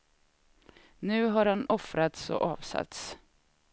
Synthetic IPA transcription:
nʉ̟ːɦaɾhanɔfɾat̪sɔ̰ʔɑːvsa̰t̪s

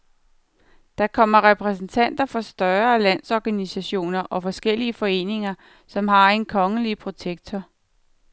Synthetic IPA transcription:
d̥ɑ̈kʰɒ̽m̰ɐʁɛpʰʁɛs̬n̩t͡sʰæn̰d̥ɐfɒ̽sd̥ɶɐːlæn̰sɒɡ̥ænisæɕo̝̰ːnɐʔɒ̽fɒ̽sɡ̥el̰iəfɒ̽e̝̰ːne̝ŋɐ | sɒ̽mɦɑ̈e̝nkʰɒ̽ŋəlipʰʁo̝t͡sʰeɡ̥̚t͡sʰɒ

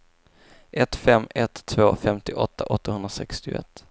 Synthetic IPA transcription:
ʔɛt̪fɛmːɛt̪ʰːvoːfɛmt̪ɪʔɔt̪ːaʔɔt̪ːahɵnd̪ɾasɛkst̪ɪɛ̰t̪ː

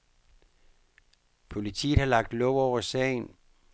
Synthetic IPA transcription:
pʰo̝lit͡sʰḭːð̥̩ˠhɑ̈lɑ̈ɡ̥̚d̥lɔʊɒʊ̰ɐsɛ̰ɪn

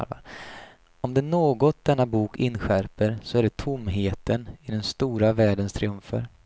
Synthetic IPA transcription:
ɔmd̪ɛnoːɡɔt̪̚d̪̥ɛnːabuːkɪ̰nːɧæɾpəɾsɔæɖɛt̪ʰʊmːɦeːt̪ənɪd̪ɛnst̪uːɾavæːɖənst̪ʰɾɪɵmfə̰ɾ

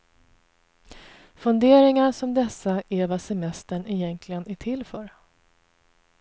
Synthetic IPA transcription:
fɵnd̪eːɾɪŋaʂɔmd̪ɛsːaʔævasɛmɛst̪əɳɪjɛnkʰlɪɡənæʈʰɪlːfœːɾ

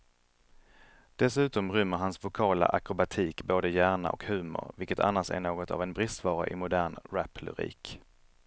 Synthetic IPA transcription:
d̪̥ɛsʉ̟ːt̪ɔmɾʏmːəɾɦansvʊkʰɑːla̰ʔakɾʊbat̪ʰiːkboːd̪əjæːɳa̰ʔɔ̰khʉ̟ːmʊ̰ɾvɪlkət̪ʰa̰nːasæ̰ɳoːɡɔt̪a̰vɛnbɾɪst̪vɑːɾa̰ʔɪ̰mʊd̪æːɳɾæpʰlɵ̰ɾḭːk

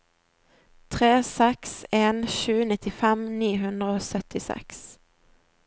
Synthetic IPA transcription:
t̪ʰʁeːsɛkseːnʃʉːnɪt̪ɪfɛmniːhʉnd̪ʁəoːsœt̪ɪsɛ̰ks

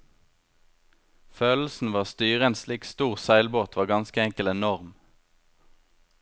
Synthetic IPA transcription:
føːll̩sn̩ʋɑːʁst̪yːʁəeːnsliːkst̪uːʁsæɪlboːt̪ʰʋɑːʁɡɑnskəɛŋkəlɛnɔʁm

